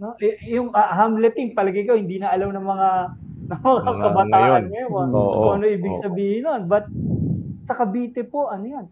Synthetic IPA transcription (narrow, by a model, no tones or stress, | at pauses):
noʔɛʔjʊŋɐɦamlɛp̪ɪŋ̚pɐlɐɡɐjkowhɪnd̪iːnɐɐlɐmnɐŋmɐŋa | nɐŋmɐŋakɐbɐt̪aːʔɐnmɛmonooʔɐnoʔiːbɪɡsɐbiːhɪnonbɐt̪̚sɐkɐbiːt̪ɛpo̞ʔɐnojan